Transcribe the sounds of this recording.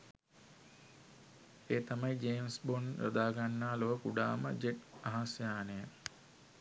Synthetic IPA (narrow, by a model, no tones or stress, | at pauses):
eːt̪amajid͡ʒeːmsbonɾə̰d̪aːɡanːaːloʋəkuɖa̰ːmə̰d͡ʒeʈaɦasjaːnəjə